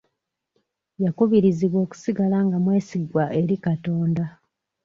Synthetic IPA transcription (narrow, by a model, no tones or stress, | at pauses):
jakuβiɾiziβwo̞ːku̥siɡalaːŋɡamwe̞ːsiɡwaʔe̞ɾikato̞ːnda